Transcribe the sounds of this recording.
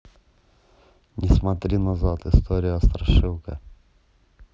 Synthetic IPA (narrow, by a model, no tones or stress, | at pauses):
nʲɪsmɐt̪ɾʲinɐzat̪ɨst̪oɾʲɪjʊɐst̪ɾɐʂɨlˠkə̰